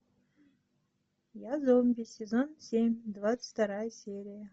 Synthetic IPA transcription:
jazomʲbʲisʲezonsʲemʲd̪vaɨ̥fʲt̪aɾajəsʲeɾʲijə

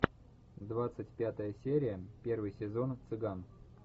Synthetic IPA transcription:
d̪vat̪sɨtʲpʲat̪əjəsʲeɾʲɪjəpʲe̞rvɨjsʲɪzo̞nt̪sɨɡan

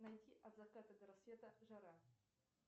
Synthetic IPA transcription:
nɐjtʲiʔɐd̪zɐkat̪əd̪əɾɐsvʲet̪əʐɐɾa

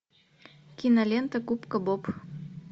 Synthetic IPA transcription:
kʲinalʲent̪ə̆kupkə̆bop

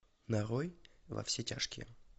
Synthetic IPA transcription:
nɐɾojvɐ̰fsʲetʲa̰ʂkʲɪ

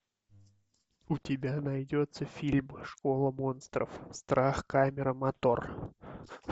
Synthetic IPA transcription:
ʊtʲɪbʲanɐjdʲot̪səfʲilʲməʂko̞lˠəmo̞nst̪ɾə̰fst̪ɾʔaxkamʲɪɾəmɐt̪o̞r

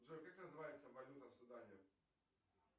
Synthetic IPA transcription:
ʐɛkaknəzɨvajɪt̪sɐvɐlʲut̪ɐfsʊd̪anʲʊ

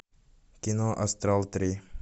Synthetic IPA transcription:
kinoʔast̪ɾalˠt̪ɾi

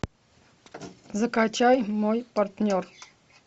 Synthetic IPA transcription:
zəkat͡ɕajmojpɐɾt̪nʲor

